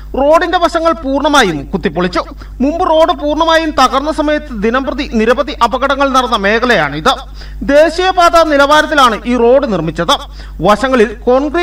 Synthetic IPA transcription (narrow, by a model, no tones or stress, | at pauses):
ro̞ːɖinde̞ʋɐɕɐŋːɐɭpuːrɳɐmaːjumkut̪ːipːoɭit͡ɕːu | mumbɨro̞ːɖɨpuːrɳɐmaːjumt̪ɐɣɐrnːɐsɐmɐjɐt̪ːɨd̪inɐmbrɐðiniɾɐbɐðiʔɐbɐɣɐɽɐŋːɐɭnɐrɐnːɐme̞ːkɐleja̰ːɳɨiðɨ | d̪e̞ːɕijɐbaːt̪anilɐʋaːɾɐt̪ːilaːɳɨʔiːro̞ːɖɨnirmit͡ɕːɐðɨ | ʋɐɕɐŋːɐɭilko̞ɳɡri